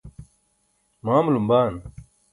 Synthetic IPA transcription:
maːmlumbaːn

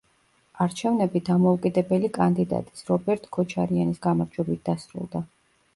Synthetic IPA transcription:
aɾt͡ʃʰɛvnɛbid̪amɔukʼid̪ɛbɛlikʼand̪id̪a̰t̪ʼi̥sɾɔbɛɾt̪ʼkʰɔt͡ʃʰaɾianisɡamaɾd͡ʒwɛbit̪̚d̪asɾṵlˠd̪a

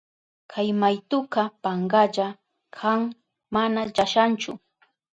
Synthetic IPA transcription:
kʰajmajt̪ʊqɑpaɴɢɑʎa | kʰaŋ | manaʎaʃant͡ʃʊ

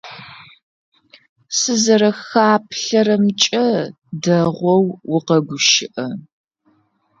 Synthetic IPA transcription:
sɨzɐɾɐxaːpʰɬɐɾɐmt͡ʃʼɐ | dɐʁʷɔwwʊqɐɡʷʊʃɪʔɐ

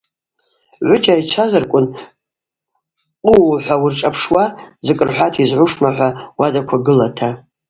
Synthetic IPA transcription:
ʕʷʊt͡ʃʼait͡ʃʰazarkʷʼʊn | qʼuħʷawʊrʈ͡ʂʼapʰʂwazɨkʼɨrħʷatʰizʕʷʊʂmaħʷawadakʷʰaɡɨlatʰa

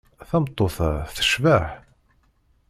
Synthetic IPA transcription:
θæmt̪ˤːoθθə̥ʃvaħ

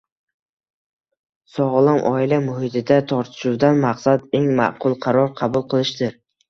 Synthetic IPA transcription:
sɒʁlˠɪmʔɒɪlamʊhɪt̪ʰɪd̪at̪ʰɒɾt̪ʰɪ̥ʃuwd̪anmɑqsad̪e̞ŋmɑ̰ʔqʰʊlˠqʰɑɾɒɾqʰɑbʊlˠqʰɨlˠɪʃd̪ɪɾ

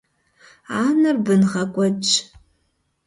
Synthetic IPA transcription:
aːnɨrbɨnʁɐkʷʼɔt͡ʃʼ

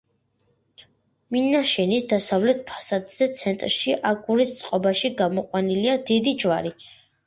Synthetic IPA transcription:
minaʃɛnisd̪asavlɛt̪̚pʰḁsad̪z̥ɛt̪sʰɛnt̪ʼɾʃiʔaɡʼuɾist̪sʼqʼɔbaʃiɡamɔqʼwaniliad̪id̪id͡ʒwaɾi

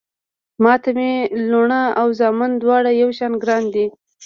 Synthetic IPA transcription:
mɑt̪ameloɳaawzɑmand̪wɑɽajawʃɑnɡɾɑnd̪i

